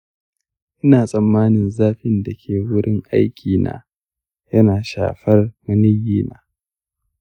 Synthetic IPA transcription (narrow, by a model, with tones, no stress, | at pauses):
ʔɪ˦naː˨sʼɐ˨mːaː˦nɪ˨nzaː˦ɸɪ˦nda˨kʲʰeː˨wʊ˦ɽɪ˦ŋʔa̰˦jkʲiː˨na̰ː˦ | jɐ˦naː˨ʃa̰ː˨ɸɐ˦rmɐ˦nɪ˦jiː˦na̰ː˦